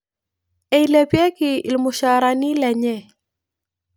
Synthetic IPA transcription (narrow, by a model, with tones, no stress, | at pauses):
ɛ˨i˨lɛ˨pjɛ˦kɪ˨lmʊ˨ʃa˨ɾa˨ni˦lɛ˨ɲɛ˦˨